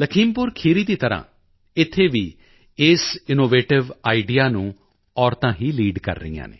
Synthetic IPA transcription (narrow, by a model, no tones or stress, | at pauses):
ləkʰiːmpʊɾkʰiːɾiːd̪iːt̪əɾã̰ː | ɪt̪ʰːeːʋiː | ɪsɪnoːʋeːʈɪʋaːiɖijaːnũː | ɔːɾt̪ãːɦiːliːɖkə̰ɾːə̰ḭjã̰ːnḛː